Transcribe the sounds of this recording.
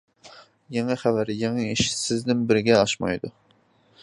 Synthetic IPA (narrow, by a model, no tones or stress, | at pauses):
jɛŋæχævæɾɪjɛŋɛiʃɪ̥sɪznɪnbɪɾɪɡʲɛɑʃmɑ̰jd̪u